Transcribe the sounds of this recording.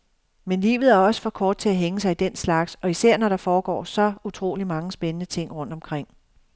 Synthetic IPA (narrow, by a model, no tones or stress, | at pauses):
menlḭːʋð̞̩ˠæɐɒ̽sə̥fɒ̽kʰɒːd̥̚t͡sʰe̝æɦeŋəsɑ̈ɪid̥en̰slɑ̈ɡ̥sɒ̽isæɐ̰nɒɾ̥ɑ̈fɒːɡ̥ɒ̰ːsɒ̽ut͡sʰʁo̝̰ːlimɑ̈ŋəsb̥enənət͡sʰe̝ŋ̰ʁɔ̽n̰d̥ɒ̽mkʰʁeŋ̰